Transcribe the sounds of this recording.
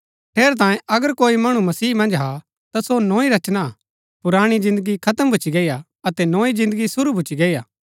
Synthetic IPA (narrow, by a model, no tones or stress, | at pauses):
ʈʰeːɾt̪̬ãːjẽʔɐɡəɾkoːimɐɽ̃umɐsiːmɐ̃nd͡ʒɦa | t̪asonɔ̃ːiɾɐt͡ʃna | pʊɾaːɽ̃izɪ̃nd̪əɡikʰɐt̪əmbʱʊt͡ʃiɡeija | ɐt̪ɛnɔ̃ːizɪ̃nd̪əɡisʊɾubʱʊt͡ʃiɡeijaː